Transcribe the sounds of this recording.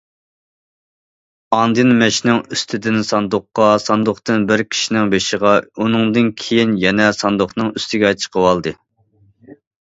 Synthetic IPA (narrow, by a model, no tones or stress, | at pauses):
ɑnd̪ɨnmɛʃnɪŋyst̪ʰɪd̪ɪnsɑnd̪ʊqːɑsɑnd̪ʊχt̪ɨnbɪɾkʲʰi̥ʃinɪŋbeʃəʁɑunɨŋd̪ɨnkʲʰejinjɛnɛsɑnd̪ʊχnɨŋyst̪ʰɪɡʲɛɑjt̪ʰʃʰqʰəwɑlˠd̪ɨ